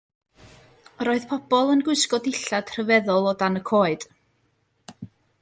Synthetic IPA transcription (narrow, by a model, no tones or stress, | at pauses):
ɾoːɨð̥pʰɔb̥ɔlˠənɡwʊɨskɔdɪɬad̥r̥əvɛðɔlˠɔdanəkʰoːɨd̥